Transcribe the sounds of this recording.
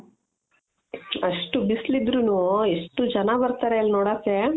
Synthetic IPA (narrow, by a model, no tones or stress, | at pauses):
ɐʂʈubislid̪ɾunueʂʈud͡ʒɐnabɐɾt̪aɾeɐlnoːɽaːse